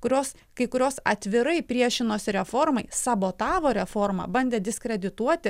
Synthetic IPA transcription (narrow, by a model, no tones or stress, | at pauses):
kʊɾʲoːs | kɐɪkʊɾʲoːsɐ̰t̪ʲʋʲɪɾɐɪpʲɾʲiɛʃʲɪnoːsʲɪɾʲɛfoɾmɐɪsɐboːt̪ɑːʋoːɾʲɛfɔɾmɐ̰ːbɐnʲd̪ʲeːd̪ʲɪskɾʲɛd̪ʲɪt̪uɔt̪ʲɪ